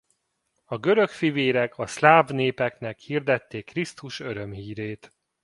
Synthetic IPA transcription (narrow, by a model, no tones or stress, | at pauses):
ɒɡø̞ɾø̞kfiveːɾɛkʰɒslaːvneːpɛknɛkhiːrd̪ɛt̪ːeːkːrist̪uʃø̞ɾø̞mhiːɾeːt̪